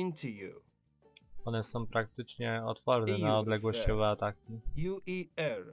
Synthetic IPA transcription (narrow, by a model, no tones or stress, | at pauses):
ntʰujṵ | ɔnɛsɔ̃w̃pɾak̚t̪ɘt͡ʂɲɛɔt̪fɔɾnɛaɔd̪lɛɡwɔɕt͡ɕɔvɛat̪akʲijuiɛɹ